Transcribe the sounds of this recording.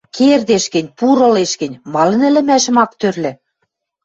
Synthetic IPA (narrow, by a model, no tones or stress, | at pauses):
kʰerd̪eʃkɘ̆nʲpuɾɤ̆leʃkɘ̆nʲmɑlɤ̆nɘ̆lɘ̆mæʃə̆mɑkt̪ørlɘ̆